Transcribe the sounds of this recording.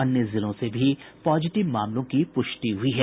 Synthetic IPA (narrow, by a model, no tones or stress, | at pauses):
ɐnjəzɪlõsebʱipɔːzɪʈɪʋmaːmlõkipʊʃʈiɦʊiɦɛː